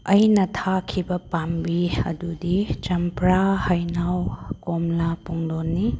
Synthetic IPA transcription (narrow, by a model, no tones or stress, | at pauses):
ɐjnɐtʰakʰibɐpambiɐ̰dudit͡ʃɐmpɾahajnawkomlapuŋdonːi